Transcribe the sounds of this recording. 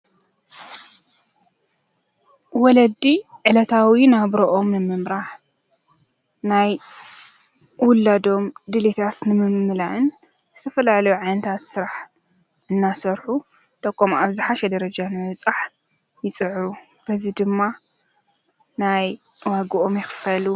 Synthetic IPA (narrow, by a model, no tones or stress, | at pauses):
wɔlɐd̪iʕɨlɐt̪ʰawinaβɾoʔo̞mnɨmɨmɾaħ | naj | wʊlːad̪o̞md̪ɨlit̪ʰat̪nɨmɨmːɨlaʔɨn | zɨt̪ʰɐfɐlalɐjuʕajnɐt̪ʰat̪sɨɾaħ | ʔɨnːasɐɾħu | t̪ʼɐkʼːomʔaβzɨħaʃɛd̪ɐɾɐd͡ʒanajwʊt͡sʼaħ | jɪt͡sʼɨʕɾu | b̥ɐzid̪ɨmːa | naj | waɡɨʔo̞mjɪxɨ̥fɐlu